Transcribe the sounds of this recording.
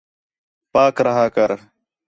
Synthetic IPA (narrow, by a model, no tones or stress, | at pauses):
paːkɾəɦaːkəɾ